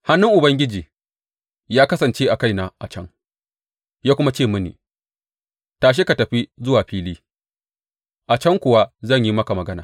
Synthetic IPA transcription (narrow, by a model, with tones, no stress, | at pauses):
ha˦nːʊ˦ŋʔʊ˨bɐ˦ŋɡʲɪ˦d͡ʒiː˨ | jaː˦kɐ˦sɐ˨nt͡ʃe˦ʔa˨ka˦˨jna˨ʔa˨t͡ʃɐ˦ŋ | jaː˦kʷʊ˦ma˦t͡ʃeː˦˨mɐ˦nḭː˨ | taː˨ʃ̬e˦ka˨tɐ˨ɸi˦zʊ˦waː˨ɸiː˦liː˦ | ʔa˨t͡ʃɐ˦ŋkʷʊ˨wa˦zɐ˦˨ɲji˦mɐ˦ka˨mɐ˨ɡɐ˦na̰ː˨